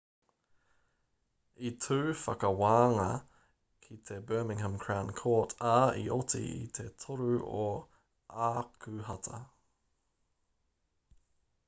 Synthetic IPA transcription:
it̪ʰʉːfɐkɐwaːŋɐ | kʰit̪ʰebɜːmɪ̃ŋhə̃mkʰɹankʰoːtʰaḭʔot̪ḭḭt̪ʰet̪ʰoɾʉo | aːkʰʉɦɐt̪ʰɐ̰

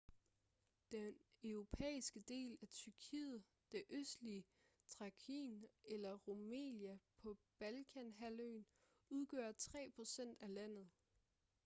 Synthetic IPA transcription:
d̥enøʊʁo̝pʰḛːisɡ̥əd̥e̝̰ːlæt͡sʰyɐkʰḭːð̩ˠ | d̥e̝ʔøsd̥liə | t͡sʰʁɑ̈kʰḭnelɐʁomḛːnjæpʰɒ̽b̥ælkʰænɦæløːn | uð̞ˠɡ̥øːɐt͡sʰʁɛ̰ːpʰʁo̝sen̰d̥ælæn̰ð̞̩ˠ

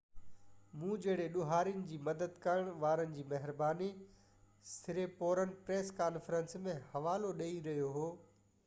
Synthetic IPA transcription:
mũːd͡ʑɐːɽeɗʊɦaːɾijʊnɪ̆d͡ʑiːmɐd̪əd̪kɐɾəɽ̃ʋaːɾənɪ̆d͡ʑiːmɐɦɪɾbaːni | sɪɾepoːɾənɪ̆pɾeːskaːnfɾə̃nsmẽhɐʋaːloɗeːiɾɐɦjoɦoː

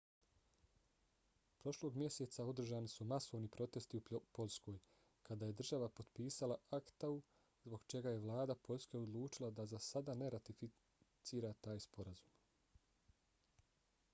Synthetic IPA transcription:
pɾo̞ʃlo̞ɡmje̞set̪sao̞d̪r̩ʒaːnisumaso̞ʋnipɾo̞t̪e̞st̪iupo̞ʎʲsko̞ːj | kad̪aje̞d̪r̩ʒaʋapo̞d̪piːsalaakt̪au | zbo̞ɡt͡ʃe̞ɡaje̞ʋlˠaːd̪apo̞ʎʲske̞od̪lˠuːt͡ʃilˠad̪azasad̪ane̞ɾat̪ifi | t̪siːɾat̪aːjspo̞ɾazuːm

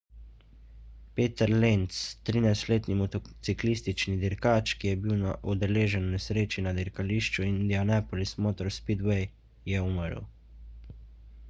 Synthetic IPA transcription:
peːt̪əɾlent̪st̪ɾinajst̪leːt̪nimɔt̪ɔt̪siklist̪it͡ʃnid̪iɾkaːt͡ʃkijɛbiwnaʔud̪ɛleːʒɛnwnɛsɾeːt͡ʃinad̪iɾkaliːʃt͡ʃuind̪ianapɔlismoːt̪ɔɾspid̪wɛj | jɛuməɾ̰w

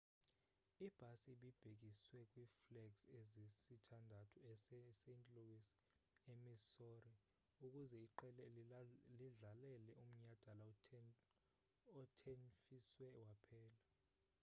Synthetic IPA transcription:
ib̥ʱasiɓib̥ʱek̬iswɛkʼwiːflɛksezisitʰandʱatʰuɛssent͡ɬʼlok̬ʼisi̥ | emisori | uk̬ʼuzɛiǃɛ | liɮalɛlɛʔum̩ɲad̥ʱala | ɔtʰenfiswɛwapʰɛːla

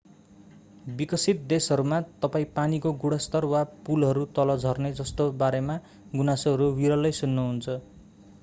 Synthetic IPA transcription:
bikʌsit̪̚d̪esɦʌɾumat̪ʌpaĩpanikoɡuɽʌst̪ʌrwapulɦʌɾut̪ʌlʌd͡zʱʌrned͡zʌst̪obaɾema | ɡunasoɦʌɾuwiɾʌlʌjsunːuɦunt͡sʰʌ

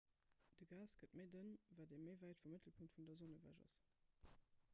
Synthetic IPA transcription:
d̥əɡaːsɡ̥ətməɪdənvaːdeməɪvæɪtfumətʰəlpʰuŋtfundɐzonəvæ̰ːʒɑ̰s

